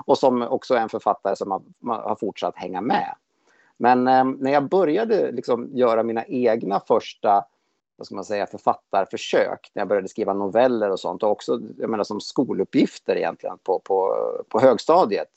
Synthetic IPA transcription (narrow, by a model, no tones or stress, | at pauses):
ɔsɔmɔksɔɾɛnfœɾfat̪ːaɾəsɔmha | ma̰haɾfʊʈʂat̪ːhɛŋːamɛ̰ | mɛnnæɾjɑːbœɾjad̪əlɪksɔmjœːɾamiːnaʔeːɡnafœʂʈa | vaskɯlmansɛjːafœɾfat̪ːaɾfœʂø̰ːknæjabœɾjad̪əskɾiːvanʊvɛlːəɾɔsɔ̰nt̪ɔɔksɔja̰meːnaʂsɔmskuːlɵpːjɪft̪əɾɪ̰jɛ̰nt̪lɪ̰ɡə̰npʰɔpʰɔpʰɔɦøːɡst̪ɑːd̪jət̪